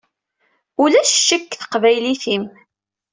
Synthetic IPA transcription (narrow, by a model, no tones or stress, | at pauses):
ulæʃʃːəkːθə̥qvæjliθim